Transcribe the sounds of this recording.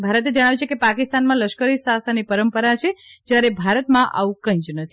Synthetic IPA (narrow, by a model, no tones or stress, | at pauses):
bʱaɾət̪̬ed͡ʒəɽ̃aʋit͡ʃʰekepakist̪anmãləʃkəɾisasanipəɾəmpəɾat͡ʃʰed͡ʒjaɾebʱaɾət̪mãʔa̰ʋũkə̃ĩd͡ʒnət̪ʰi